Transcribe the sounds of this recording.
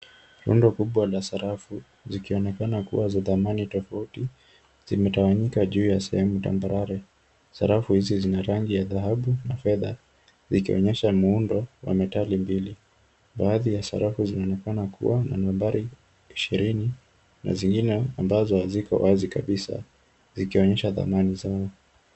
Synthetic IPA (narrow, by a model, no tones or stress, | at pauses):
ɾṵndɔkuɓwalasaɾafu | zikiɔnɛkanakṵwazaðamanitɔfauti | z̥imɛtawaɲikaʄuːjasɛhɛmuta̰mbaɾaɾɛ | saɾafuhizizinaɾaŋɡijaðaɦaɓunafɛða | zikiɔ̰ɲɛʃamuundɔwa̰mɛtalimbili | ɓaːðijasa̰ɾafuzinaɔnɛkanakṵwana̰nɔvɛmbaɾi | iʃiɾini | na̰ziŋɡinɛambazɔzikɔ̰wazikaɓisa̰ | zikiɔɲɛʃaða̰manizaɔ